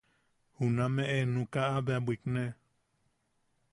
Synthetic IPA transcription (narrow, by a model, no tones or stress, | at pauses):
hunãmẽʔenũkaabeabʷiknẽ